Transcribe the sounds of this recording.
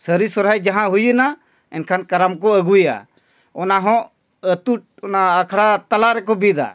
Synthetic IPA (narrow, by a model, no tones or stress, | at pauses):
səɾisɔɾɦajd͡ʒaɦãɦujəna | ɛ̰nkʰankaɾamkɔəɡuja̰ | ɔnaɦɔ̃ʔ | ət̪uʈ̚ɔnaːkʰɽat̪alaɾɛkɔbid̪a̰